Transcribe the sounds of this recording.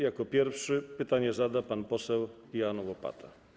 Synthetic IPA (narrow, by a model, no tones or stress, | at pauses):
jakɔpʲjɛɾfʂɘpɘt̪aɲɛzad̪apanpɔsɛw | ijanwɔpa̰t̪ʰa